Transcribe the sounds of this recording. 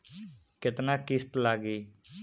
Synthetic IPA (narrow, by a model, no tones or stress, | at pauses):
kɪt̪nãːkɪst̪laːɡiː